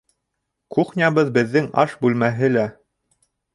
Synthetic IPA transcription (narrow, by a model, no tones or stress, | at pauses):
kuχnʲɑβɤðbɘ̆ðːɘŋɑ̰ʃbʉlmæɦɘlæ